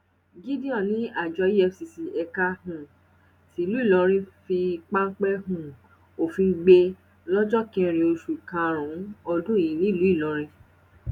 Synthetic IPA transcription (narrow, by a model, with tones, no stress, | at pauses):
ɡi˦di˦ɔ̃˦˨nĩ˦a˦˨d͡ʒɔ˧˦ɛ˧si˨si˨ɛ˧ka˧hũ˨ | si˨lu˨˦i˦˨lɔ̃˧ɾ̃ĩ˦fi˧k͡pa˦ŋ˦k͡pɛ˦ɦũ˨ | o˨fĩ˧ɡ͡be˧ | lɔ˦d͡ʒɔ˦kĩ˧ɾ̃ĩ˧o˧ʃu˨i˨kã˧˨ɾ̃ũ˨˦ɔ˧dũ˦i˨nĩ˦˨lu˨˦i˦˨lɔ̃˨˧˦ɾ̃ĩ˧